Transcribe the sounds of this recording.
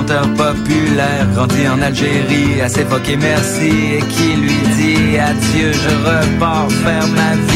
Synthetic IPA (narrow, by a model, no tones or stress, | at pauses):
t̪œʁpɔpylɛːʁɡʁɑ̃d̪iɑ̃nalʒeʁiasevɔkʲemɛʁsiekʲʰilɥid̪iafjøʒəʁəpɑːʁfɛʁmavi